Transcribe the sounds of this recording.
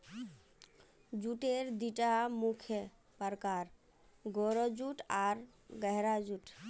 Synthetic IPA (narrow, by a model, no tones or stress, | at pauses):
d͡ʒuʈeɾd̪iʈamukʰje | pəɾkaɾ | ɡoɾɔd͡ʒuʈaɾ | ɡɛɦɾad͡ʒuʈ